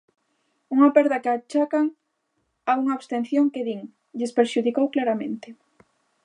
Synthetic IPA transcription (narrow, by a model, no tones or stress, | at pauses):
uŋɐpɛɾðɐkeat͡ʃakaŋ | auŋaːβst̪en̟θjoŋkeðiŋ | ʎɪspeɾʃuðikowklaɾamḛ̃nt̪ɪ